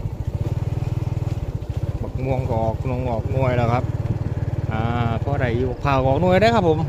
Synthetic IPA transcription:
bɔ˨˩k̚mu˧əŋkɔː˨˩k̚nu˧˩əŋkɔː˨˩k̚nu˧˥˩əjlaː˧˩kʰa˦˥p̚ | ʔaː˧˩pʰɔː˧ɾa˨˩juː˧˩˨pʰaː˨˩wkɔː˨˩k̚nu˥˩əjdaː˧˥˩kʰpʰːo˨˦m

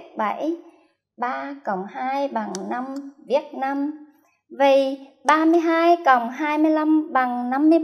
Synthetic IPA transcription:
ɓa˧˩˦j | ɓaː˧kə˨˩wŋ͡mhaː˧jɓa˨˩ŋna˧mvi˨˦˥ət̚naː˧m | və˨˩ɓaː˧mɨ˧əjɦaː˧jkə˨˩wŋ͡mɦaː˧jmɨ˧əjla˧mɓa˨˩ŋna˧mːɨ˧əj

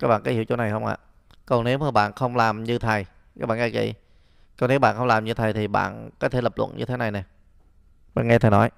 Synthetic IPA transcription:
kaː˦˥ɓa̰ː˧˨ka˨˦˥hi˧˨wt͡ɕo˧˦na˨˩jxə˧wŋ͡mʔa̰ː˧˨ | kɔ˨˩ŋne˨˦wməː˨˩ɓa̰ː˧˨nxə˧wŋ͡mlaː˨˩mɲɨ˧t̪ʰa˨˩j | aː˦˥ɓaː˧˨˩ɡa˧˩kḭ˧˨ | kɔ˨˩ne˨˦wɓa̰ː˧˨nxə˧wŋ͡mlaː˨˩mɲɨ˧t̪ʰa˨˩jt̪ʰi˨˩ɓa̰ː˧˨nkɔ˨˦t̪ʰe˧˩lə˨˩p̚lə̰˧˨nɲʔɨ̰˧t̪ʰe˨˦na˨˩jnɛ˨˩ | ɓa̰ː˧˨nŋɛ˧t̪ʰə˨˩nɔ˨˦j

